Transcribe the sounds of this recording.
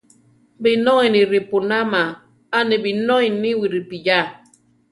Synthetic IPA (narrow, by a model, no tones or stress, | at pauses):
binoiniɾipunama | anibinoiniwiɾipija